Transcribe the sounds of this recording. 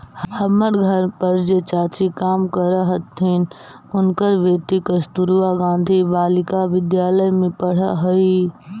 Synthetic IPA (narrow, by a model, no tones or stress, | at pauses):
həməɾɡʱəɾpəɾd͡ʒet͡ʃaːt͡ʃikaːmkəɾəɦət̪ʰːin | ʊnkəɾʋet̪ikəst̪uɾuʋaɡãːn̆d̪ʱibaːlɪkaʋɪd̪jaːləjmẽpəɽ̤əɦəi